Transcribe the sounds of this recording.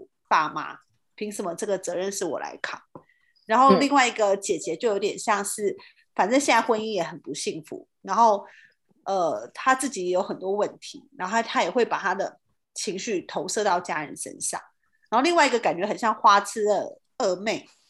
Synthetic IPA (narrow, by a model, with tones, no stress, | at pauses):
pa˥˩ma̰˧˥ | pʰi˧˥ŋsə˨˩mə˦ʈ͡ʂɤ˥˩ɡə˩t͡sɤ˧˦ɻə˥˧nʂɻ̩˥˩wɔ̰˨˩la̰˧˥ɪkʰɑ̰˨˩˦ŋ | ɻa˧˦nxo˥˧ʊli˥˧ŋwa˥˩ɪi˧˥ɡə˧t͡ɕjɛ˨˩t͡ɕjɛ˧˦t͡ɕo˥˩ʊjo˧˥ʊt̪jɛ˨˩nɕjɑ˥˧ŋʂɻ̩˥˩ | fa˨˩nʈ͡ʂə˥˧ɕjna˥˩ɪxwə˥ni˥˩jɛ˧˩xə˨˩npu˧˦ɕi˥˩ŋfṵ˧˦ɻa˧˥nxo˥˩ʊ | ʔə˧˩t̪ʰa˥t͡sɹ̩˥˩t͡ɕi˨˦jɛ˨˩jo˧˥xə˨˩nt̪wɔ˥wə˥˩nt̪ʰi˧˦ɻa˧˥nxo˥˩t̪ʰa˥jɛ˨˩xwe˥˩ɪpa˨˩t̪ʰa˥d̪ə˩ | t͡ɕʰi˧˥ŋɕy˥˩t̪ʰo˧˥ʊsɤ˥˧t̪ɑ˥˩ʊt͡ɕja̰˦˥ɻə̰˧˦nʂə̰˥nʂɑ̰˥˩ŋ | ɻa˨˧˥nxo˥˧li˥˧ŋwa˥˩ɪi˧˥ɡə˧ka˨˩nt͡ɕɥɛ˧˥xə˨˩nɕjɑ˥˩ŋxwa˥t͡sʰɹ̩˥d̪ə̰˨˩ | ə˥˧me˥˩ɪ